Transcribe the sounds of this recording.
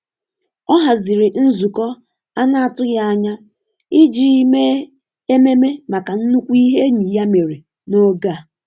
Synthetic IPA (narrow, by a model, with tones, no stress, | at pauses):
ɔ˦ɦa˨zɪ˨ɾɪ˨n̩˦zu˨kɔ˦ | a˦na˨a˨tʊ˦ja˦a˦ɲa˦ | ɪ˦d͡ʒi˨˦me˦ | e˦me˦me˦ma˨ka˨n̩˦nu˦kʷu˦i˦ɦe˦ɲi˨ja˦me˨ɾe˨ | no˦ɡa˦˨